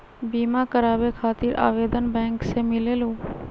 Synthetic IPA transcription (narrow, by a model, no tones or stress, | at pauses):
biːmakəɾaːʋekʰaːt̪iːɾʔa̰ːʋeːd̪ənbɛ̃ːŋksemɪleːloː